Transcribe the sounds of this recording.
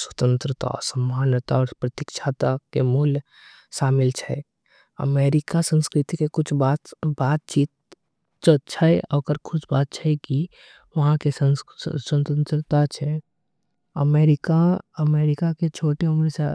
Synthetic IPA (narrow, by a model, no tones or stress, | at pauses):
swə̥t̪ə̃nt̪ɾət̪a̰ɔ̰ɾsəmaːnjət̪aɔːɾpɾət̪ikʃʰaːt̪akemuːl | ʃaːmɪlt͡ʃʰɛ | ə̰meːɾɪkasə̃nskɾɪt̪ikekʊt͡ʃʰbat̪baːt̪̚t͡ʃiːt̪̚ | t͡ʃət͡ʃʰəɛɔkəɾkʰʊsbaːt̪̚t͡ʃʰɛɛki | ʋɐɦãkesəsənt̪ənt̪ɾət̪at͡ʃʰɛ | əmeːɾɪkaəmeːɾɪkaket͡ʃʰoːʈeumɾse